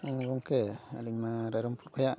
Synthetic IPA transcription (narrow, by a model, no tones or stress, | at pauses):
ɡoŋkea̰liɲmaɾaɾompuɾkʰʷaja